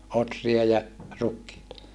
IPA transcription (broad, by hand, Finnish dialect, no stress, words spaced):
otriɑ jɑ rukːiːtɑ